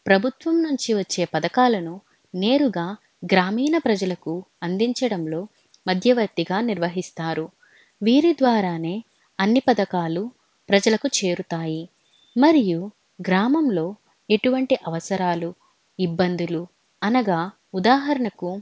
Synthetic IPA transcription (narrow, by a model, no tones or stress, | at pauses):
pɾɐbʱut̪ʋɐmnuɲt͡ʃiʋɐt͡ʃːe̞ːpɐd̪ɐkaːlɐnu | ne̞ːɾuɡaː | ɡɾaːmiːnɐpɾɐd͡ʒɐlɐku | ɐnd̪iɲt͡ʃɐɽɐmlo̞ː | mɐd̪ʱjɐʋɐɾt̪iɡaːniɾʋɐɦist̪aːɾu | ʋiːɾid̪ʋaːɾaːne̞ː | ɐnːipɐd̪ɐkaːlu | pɾɐd͡ʒɐlɐkut͡ʃe̞ːɾut̪aːji | mɐɾiju | ɡɾaːmɐmlo̞ː | e̞ʈuʋɐɳʈiʔɐʋɐsɐɾaːlu | ibːɐnd̪ulu | ɐnɐɡaː | ud̪aːɦɐɾɐɳɐku